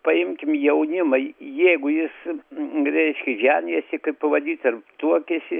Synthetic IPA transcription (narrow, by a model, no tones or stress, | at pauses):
pɐɪmʲkʲɪmjɛʊnʲɪmɐɪjɛɪɡʊjɪs | ɾʲɛɪʃʲkʲɪʒʲæːnʲiɛsʲɪkɐɪppɐʋɐd̪ʲiːt̪ɐrt̪uɔkʲɛsʲɪ